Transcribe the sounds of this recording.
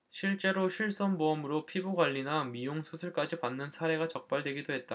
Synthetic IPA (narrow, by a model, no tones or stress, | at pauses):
ɕʰiɭt͡ɕ͈e̞ɾoɕʰiɭs͈ʌnboʌmɯɾopʰibuɡwaʎːinamijoŋsʰusʰɯɭk͈ad͡ʑipanːɯnsʰaɾe̞ɡat͡ɕʌk̚p͈aɭdwe̞ɡidoɦe̞t̚t͈a